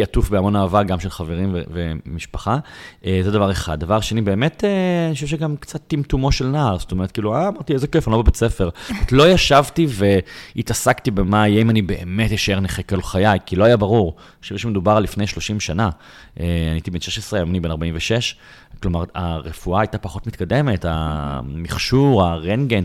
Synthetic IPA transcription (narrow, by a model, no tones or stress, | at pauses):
atufbeamo̞naːvaʁɡamʃelχaveʁimvḛvemiʃpḁχaʔezedavaʁeχa̰d̪̚ːavaʁʃanibe̞ːmeteaniʃevʃeɡamkt͡sat̪ːimtumo̞ʃelnaːʁzsotomeet̚kiːluaːmaʁtizekefanlobebet͡sefeʁatlo̞jaʃavtiveitasaktibemajeimanibe̞ʔemetjiʃaeneχekolχajajkilo̞ajabaʁuʁ | ʃuvʃemedubaʁlifnejʃlo̞ʃimʃana | ʔeaniitibenʃeʃesʁeamanibe̞naʁbaimveʃeʃ | klomaʁa̰ʁefuaːjtapaχo̞tmitkade̞meta̰miχʃuʁaʁenɡen